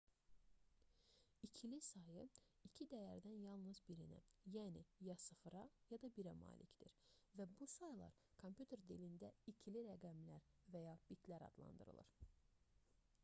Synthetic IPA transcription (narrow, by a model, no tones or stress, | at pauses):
icʰilisɑjɯ | icʰid̪æjæɾd̪ænjɑlˠnɯzbiɾinæ̰jæːnijɑsɯfɯɾɑjɑd̪ɑbiɾæmɑ̰ːlʔicʰd̪iɾvæbusɑjlˠɑ̰ɾ | kʰompʰjut̪ʰe̞ɾd̪ilind̪æicʰiliɾæɡæmlæɾvæjɑb̥it̪ʰlæɾɑ̰d̪̥lˠɑ̰nd̪ɯ̰ɾɯ̰lˠɯ̰ɾ